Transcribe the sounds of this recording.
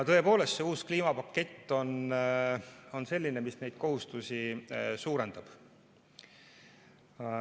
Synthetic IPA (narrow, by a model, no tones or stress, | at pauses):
ɑt̪ɤ̞e̞po̞ːle̞st̪se̞uːskliːmɑpɑkːe̞t̪ːo̞n | o̞nse̞lʲːinemisne̞jd̪̥̚ko̞hust̪usisuːɾe̞nd̪̥ɑb̥